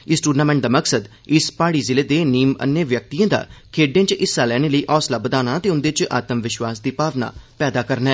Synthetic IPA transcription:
ɪsʈuːɖnaːmɛ̃ɳʈ̚d̪aːməksəd̪ | ɪspaːɽiːzɪleːd̪eːniːmə̰nːeʋjək̚t̪ijãːd̪a̰ːkʰeːɖẽːt͡ʃʔɪsːaːlɛːneːləiːʔɔːslaːbəd̪aːnaːt̪eːʊ̃nd̪eːt͡ʃʔa̰ːt̪əmʋɪʃwaːsd̪iːpaːʋna̰ːpɛːd̪aːkəɾnɛː

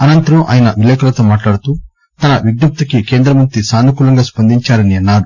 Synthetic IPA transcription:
ɐnɐnt̪ɐɾuʔa̰ːjɐnɐʋileːkɐlɐt̪oːmaːʈlaːɽut̪uː | t̪ɐnɐʋiɡ̚nɐp̚t̪ɐkike̞ːnd̪ɾɐmɐnt̪ɾisaːnukuːlɐŋɡaːspɐnd̪iɲt͡ʃaːɾɐniɐnːaːɽu

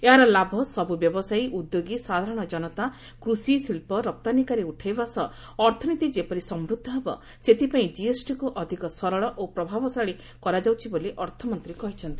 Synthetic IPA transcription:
eɦaɾɔlabʱɔsɔbubjɔbɔsajʔud̪joɡisad̪ʱaɾɔɽ̃ɔd͡ʒɔnɔt̪a | kɾusisilpɔɾɔp̚t̪anikaɾeuʈʰajbasɔ | ɔɾt̪ʰɔnit̪id͡ʒepɔɾisɔmɾud̪ʱːɔɦebɔ | set̪ipaĩd͡ʒiesʈikuʔɔd̪ʱikɔsɔɾɔɭɔʔopɾɔbʱabɔsaɔɭi | kɔɾad͡ʒawt͡ʃʰiboliʔɔɾt̪ʰɔmɔnt̪ɾikɔɦit͡ʃʰɔnt̪i

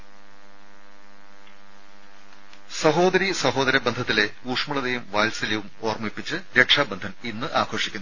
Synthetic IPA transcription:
sɐɦo̞ːd̪ɐɾisɐɦo̞ːd̪ɐɾɐbɐnd̪ʱɐt̪ːile̞ | uːʂmɐɽɐðejumʋaːlsɐliʋumo̞ːrmipːit͡ɕːɨɾe̞ʈʂaːbend̪ʱɐninːɨʔaːkʰo̞ːʂi̥kʲːunː

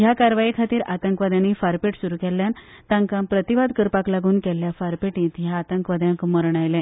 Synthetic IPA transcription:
jakaɾʋaikʰat̪iːɾat̪əŋkʋad̪anːifaɾpeʈsuɾukɛljan | t̪ãŋkampɾət̪iʋad̪kəɾpaklaɡuːnkɛlːjafaɾpeʈĩt̪jaːt̪əŋkʋad̪ʱjãŋkməɾɳajlɛ̃

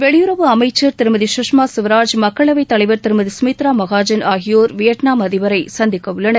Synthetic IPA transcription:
ʋɛɭɪjɯɾɐʋɯɐmɐɪt͡ʃːɐɾt̪ɪɾɯmɐðiʃʊʂmaːsʊʋɐɾaːd͡ʒmɐkːɐɭɐʋɐɪt̪ːɐlɐɪʋɐɾt̪ɪɾɯmɐðisʊmit̪ɾaːmɐɣaːd͡ʒɐnaːɣɪjoːɾʋɪjɐʈnaːmɐðɪʋɐɾɐɪsɐnd̪ɪkːɐʋɯɭːɐnɐ

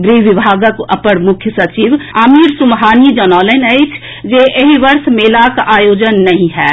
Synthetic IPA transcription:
ɡɾiːʋɪbʱaːɡəkə̰pəɽmʊkʰjəsɐt͡ʃiːʋamiːɾsʊmɦaːnid͡ʒɔnɔːlenəɪt͡ʃʰ | d͡ʒeʔeɦiʋəɾsmeːlakʔaːjoːd͡ʒənːɐɦĩɦɛː

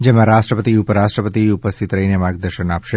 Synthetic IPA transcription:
d͡ʒemãɾaʃʈɾəpət̪iupəɾaʃʈɾəpət̪iupəst̪ʰit̪ɾəinemaɡ̚d̪əɾʃənapʃe

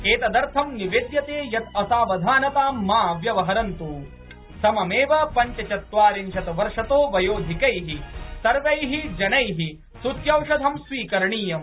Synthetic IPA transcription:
eːt̪ɐd̪ɐɾt̪ʰɐmniʋeːd̪jɐt̪eːjɐt̪ɐsaːʋɐd̪ʱaːnɐt̪aːaːʋjɐʋɐɦɐɾɐnt̪uː | sɐmɐmeːʋɐpɐɲt͡ʃɐt͡ʃɐt̪ʋaːɾinʃɐt̪ɐʋɐɾʂɐt̪oːʋɐjoːd̪ʱikɐjɦisɐɾʋɐjɦid͡ʒɐnɐjɦi | sut̪jɐwʂɐd̪ʱɐmsʋiːkɐɾɐɳiːjɐm

